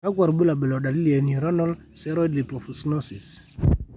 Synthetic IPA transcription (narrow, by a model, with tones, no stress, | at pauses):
a˦k̬wa˨ɾbu˦la˨bɛ˨lɔ˨da˨li˦li˨a˨ni˨ɾɔ˦nɔ˦lsɛ˦ɾɔ˦dli˨pɔ˨fu˨snɔ˦si˨s